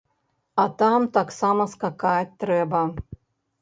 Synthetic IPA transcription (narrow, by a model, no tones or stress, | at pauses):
at̪amt̪aksamɐskakat̚ʲt̪ɾɛbɐ